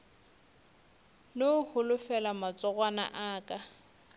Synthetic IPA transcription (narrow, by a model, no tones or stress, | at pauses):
nohʊlʊfɛlamat͡sʼɔɣʼwana̰ʔaːkʼa